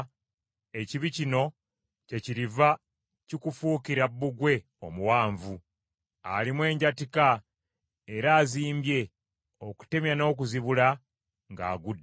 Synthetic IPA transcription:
e̞ciβicino̞ | ce̞ciɾiva | cikufuːkiɾabːuɡwe̞ | o̞muwaːɱvu | alimwe̞ːɲɟatika | e̞ɾaːziːmbje̞ | o̞ku̥te̞mjano̞ːk̬uziβula | ŋɡa̰ːɡudː

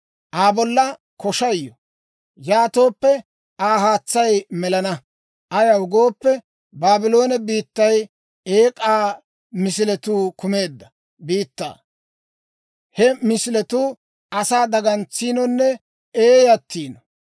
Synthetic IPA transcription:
ʔaːbɔlːɐ | kɔʃɐjːɔ | jaːt̪o̞ːpːɛ | aːɦaːt͡sːɐjmɛlɐnɐ | ʔɐjɐwʊɡo̞ːpːɛ | baːbɪlo̞ːnɛbiːt̪ːɐj | eːkʼaː | mɪs̬ɪlɛt̪uːkʊme̞ːd̪ːɐ̥ | biːt̪ːa̰ː | hɛmɪsɪlɛt̪uː | ɐsaːd̪ɐɡɐnt͡sːiːnɔnːɛ | eːjɐt̪ːiːnɔ

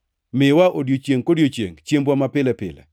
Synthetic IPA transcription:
mɪwaʔodjot͡ʃeŋkodjot͡ʃḛŋt͡ʃjembwamapɪlɛpɪ̰lɛ̰

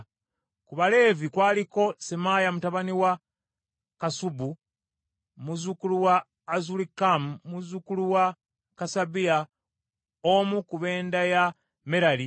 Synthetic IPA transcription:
kuβale̞ːvikwaːliko̞semajamutaβaniwa | kasubu | muzukuluwaː | zulikamumuzukuluwa | kasabia | omukuβe̞ːndaja | me̞ɾali

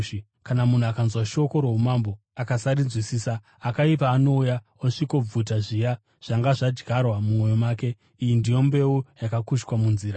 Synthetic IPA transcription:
i | kanamun̤uakanzwaʃo̞ko̞ɾo̞ɦumambo | akasaɾinzwisiːsaː | kaipaːno̞uja | oʂiko̞b͡vutaʐija | ʐ̥aŋɡaʐad͡ʒɡʱarwamumwo̞jomwaːke̞ | ijindijo̞mbe̞ujakakuʃkwamunziːɾa

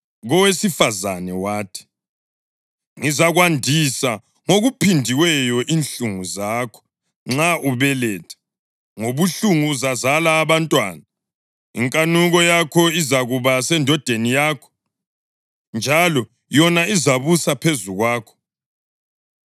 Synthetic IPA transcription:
ɣɔwesifaza̰nɛwaːtʰi̥ | ŋizaɣwandʱisa | ŋoɣupʰindʱiwɛjɔʔinɬuŋuzaːkʰɔ̥ | ŋ͡ǁaʔuβɛlɛtʰɛ̥ | ŋoβuɬuŋuzazalaːβantʼwa̰ːna | ḭŋkʼanuɣɔjakʰɔizaɣuβasɛndʱɔd̥ʱenijaːkʰɔ̥ | nd͡ʒʱalɔ | jɔnaizaβusapʰezuɣwaːkʰɔ̥

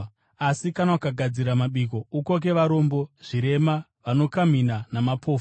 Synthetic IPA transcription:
asikanaukaɡʱad͡ziɾamaɓiko̞uko̞k̬e̞ʋaɾo̞mbo̞ʐ̥iɾe̞ma | ʋano̞kam̤inanamapʰo̞ːf

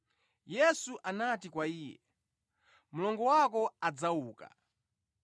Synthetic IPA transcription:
jɛsuʔanatikwaiːjɛ̰ | mulɔŋɡɔwakɔad͡zauːka̰

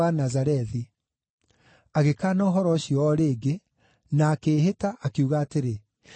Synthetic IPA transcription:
anazaɾɛði | aɣekaːnɔɦɔɾɔɕijɔːɾeːɡe | naːkeːɦetaʔakiuɣaːteɾe

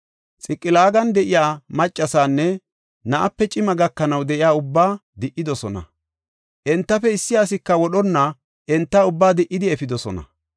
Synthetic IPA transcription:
t͡sʼɪkʼːɪlaːɡɐnd̪ɛʔɪjaːmɐt͡ʃʼːɐsaːnːɛ | nɐʔɐpːɛt͡ʃʼɪmɐɡɐkːɐnɐwd̪ɛʔɪjaːʊbːaːd̪ɪʔːɪd̪ɔsɔnɐ̰ | ʔɛnt̪ːɐfɛɪsːɪjaːs̬ɪkːɐwɔɗɔnːɐ | ʔɛnt̪ːɐʊbːaːd̪ɪʔɪd̪ɪɛfɪd̪ɔsɔ̰nɐ̰

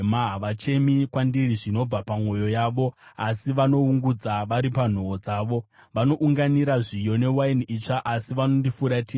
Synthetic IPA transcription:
maɦaʋat͡ʃe̞mikwandiriʐino̞b͡vapamwo̞jo̞jaːʋo̞asiʋano̞uŋɡud͡zaʋaɾipan̤o̞ːd͡zaːʋo̞ | ʋano̞ʔuŋɡaniɾaʐijo̞ne̞wainit͡ʂaʔasiʋano̞ndifuɾati

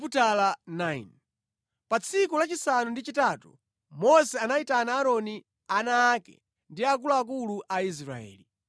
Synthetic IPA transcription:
utalanain | pat͡sʰikulat͡ʃisanundit͡ʃitaːtṵ | mɔsɛanaitanaːɾɔni | anaːkɛ̰ | ndiak̬ulaak̬uluʔais̬ɾa̰ɛ̰ːli

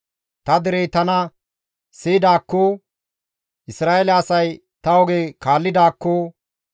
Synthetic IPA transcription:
t̪ɐd̪ɛɾɛjt̪ɐnɐ | sid̪aːkːo | ʔɪsɾaːʔelɐːsɐj | t̪ɐwɔɡeːkaːlːɪd̪aːkːoː

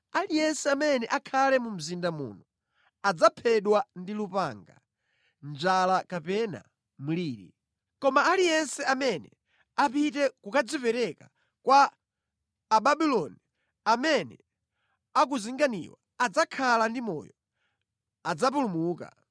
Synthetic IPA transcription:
alijɛnsɛamɛnɛʔakʰalɛmum̩zindamṵːnu | ad͡zapʰɛɗwandilupaŋɡa̰ | nd͡ʒalakapɛna̰ | muliːɾḭ | kɔmaːlijɛnsɛamɛnɛ | apitɛkukad͡zipɛɾɛka | kwaː | ɓaɓilɔni | amɛnɛ̰ | ak̬uziŋɡanḭwa | ad͡zakʰalandimɔ̰ːjɔ | ad͡zap̬ulumuːka̰

